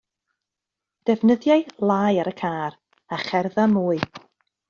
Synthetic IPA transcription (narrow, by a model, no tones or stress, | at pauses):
d̥ɛvnəðjaɨlˠaːjaɾəkʰaːɾ | aχɛrðamuːɨ